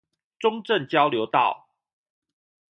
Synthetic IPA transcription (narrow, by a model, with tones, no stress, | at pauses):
ʈ͡ʂʊ˦ŋʈ͡ʂə˥˨ŋt͡ɕjɑ˦ʊljo˨˦ʊt̪ɑ̰˥˨ʊ